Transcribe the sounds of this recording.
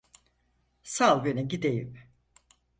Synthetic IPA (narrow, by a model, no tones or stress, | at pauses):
salˠɡønɛɟid̪ejḭm